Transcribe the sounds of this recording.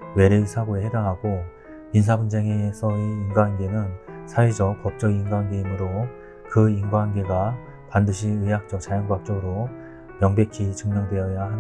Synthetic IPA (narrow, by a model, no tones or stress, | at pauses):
we̞ɾeisʰaɡoehedaŋɦaɡo | mins̬ʰabunsʰeŋesʰʌeinɡwanɡe̞nɯnsʰaed͡ʑʌk̚pʌp̚t͡ɕ͈ʌɡiiŋɡwanɡeimɯɾo | kɯinɡwanɡe̞ɡa | pandɯɕʰiɯjak̚t͡ɕ͈ʌk̚t͡ɕajʌŋɡwak̚t͡ɕ͈ʌɡɯɾo | mjʌŋbe̞kʰit͡ɕɯŋɲʌŋdwe̞jʌjahan